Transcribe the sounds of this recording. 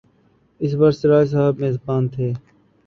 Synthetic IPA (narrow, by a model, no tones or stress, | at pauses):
ɪs̬bəɾsɪɾaːjs̬aɦəbmeːɪzbaːnt̪ʰeː